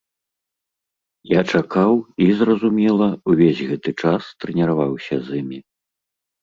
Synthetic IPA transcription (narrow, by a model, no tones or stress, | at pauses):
jat͡ʂakawizrɐzumʲɛlˠɐuvʲezʲɣɛt̪ɨt͡ʂast̪ɾɛnʲɛɾavawsʲɐzɨmʲi